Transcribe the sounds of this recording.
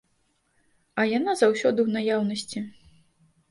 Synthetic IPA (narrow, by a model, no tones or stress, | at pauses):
ɐjanazawsʲɔd̪ɨwnajawnɐsʲt͡sʲi